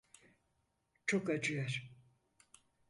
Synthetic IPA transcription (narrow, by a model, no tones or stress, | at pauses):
t͡ʃʰokad͡ʒɯjaɾ